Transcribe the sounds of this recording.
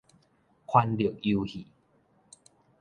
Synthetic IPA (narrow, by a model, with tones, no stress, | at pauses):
kʰwa˧nli˨ə˨ku˧hi˨˩